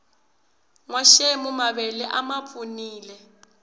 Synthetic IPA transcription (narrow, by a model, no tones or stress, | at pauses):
ŋwaʃemumaβɛlɛʔamapfʰʼuniːlɛ